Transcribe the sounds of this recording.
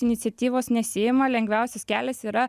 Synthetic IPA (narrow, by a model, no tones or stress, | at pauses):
ɪnʲɪt̪sʲɛt̪ʲiːʋoːsnʲɛsʲɪːjɪmɑlʲɛŋʲɡʲʋʲæˑʊsʲɛskʲæːlʲɛsiːɾɐ